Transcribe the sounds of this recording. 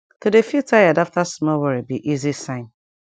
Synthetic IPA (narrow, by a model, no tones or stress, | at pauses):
todefitʰajadaftasmɔwɛɹibiʔizisãɪ̃n